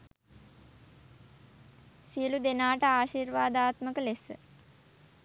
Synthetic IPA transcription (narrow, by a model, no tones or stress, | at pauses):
siəlud̪enaːʈəaːʃirʋaːd̪aːt̪məkəlesə̰